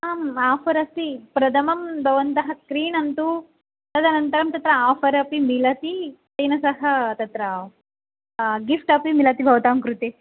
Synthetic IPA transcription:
aːmaːpʰɐɾɐst̪ipɾɐd̪ʰɐmɐmbʱɐʋɐnt̪ɐɦɐkɾiːɳɐnt̪u | t̪ɐd̪ɐnɐnt̪ɐɾɐmt̪ɐt̪ɾɐaːfʰɐɾɐpimilɐt̪itɐjnɐsɐɦɐt̪ɐt̪ɾɐ | ɡifʈɐpimilɐt̪ibʱɐʋɐt̪aːmkɾut̪e

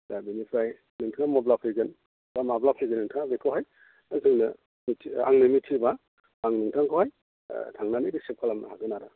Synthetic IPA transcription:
dabinipʰɾaj | nɯŋtʰaŋamɔblapʰɯjɡɯn | bamablapʰɯjɡɯnɯŋtʰaŋabekʰawɦaj | azɯŋnɯ | mitʰa̰ŋnɯmitʰiba | aŋnɯŋtʰaŋkʰawhaj̰ | tʰaŋnanɯjdisep̚kʰalamna̰haɡɯnaɾa

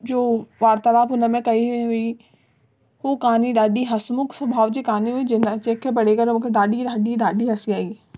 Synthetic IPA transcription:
d͡ʑoːʋaːɾt̪əlaːbʊnə̆mẽkɐiɦɦʊi | ɦokaːniɗaːɗiɦɐsmʊksɐbʱaːʋd͡ʑiːkaːniɦuid͡ʑent͡ɕeːkʰːepɐɽ̤ekɐɾmũːkʰeɗaːɗiɗaːɗiɗaːɗiɦɐsiaːiː

